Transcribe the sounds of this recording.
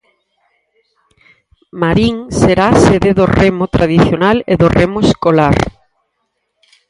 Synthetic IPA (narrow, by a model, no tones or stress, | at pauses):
maɾiŋseɾaseðeðoremʊt̪ɾaðiθjonalḛðoremoeskolaɾ